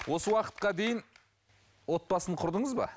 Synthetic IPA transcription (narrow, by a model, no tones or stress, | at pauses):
wʔo̞səwɑqə̥t̪̚qɑd̪e̞jɪn | wo̞t̪̚bɑsəɴqʰʊɾd̪əɴəzbɑ̰